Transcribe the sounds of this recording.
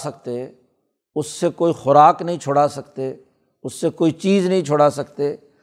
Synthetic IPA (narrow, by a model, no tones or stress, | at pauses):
sək̚t̪e | ʊsːekoːixʊɾaːknəɦĩːt͡ʃʰʊɽaːsəkt̪e | ʊsːekoːit͡ʃiːznəɦĩːt͡ʃʰoɽasəkt̪eː